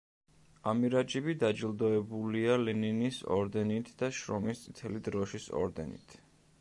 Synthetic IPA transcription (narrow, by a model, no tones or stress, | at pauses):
amiɾad͡ʒɛbid̪ad͡ʒilˠd̪ɔɛbulialɛninisɔ̰ɾd̪ɛnit̪ʰd̪aʃɾɔmist̪sʼit̪ʰɛlid̪ɾɔʃisɔ̰ɾd̪ɛ̰nḭt̪ʰ